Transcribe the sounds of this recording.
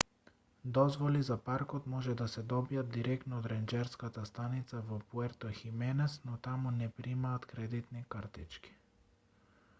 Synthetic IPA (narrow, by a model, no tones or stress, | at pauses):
d̪ɔzvɔlizapaɾkɔt̪mɔʒɛd̪asɛd̪ɔbijad̪̚d̪iɾɛk̪nɔːd̪ɾɛnd͡ʒɛɾskat̪ast̪anit̪savɔpuɛɾt̪ɔximɛnɛsnɔt̪amunɛpɾimaːt̪kɾɛd̪it̪nikaɾt̪it͡ʃki̥